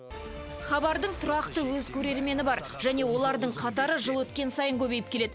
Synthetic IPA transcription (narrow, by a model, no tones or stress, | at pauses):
χɑbɑɾd̪əɴt̪ʰʊɾɑqt̪əwɵzkʲʰɵɾe̞ɾme̞nɪbɑɾ | ʒ̥æne̞wo̞lˠɑɾd̪əɴqʰɑt̪ɑɾəʒəlˠwɵt̪kʲe̞nsɑjəŋkʲʰɵbe̞jɪp̚kʲʰe̞le̞d̪̥